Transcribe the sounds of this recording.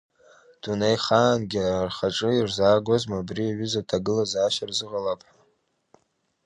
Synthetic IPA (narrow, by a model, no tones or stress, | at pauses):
d̥unejχaːnɡʲiarχaʈ͡ʂʼɨirzaːɡʷozmabriaɥʏzatʰaɡɨlazaːʃarzɨʁalapʼħa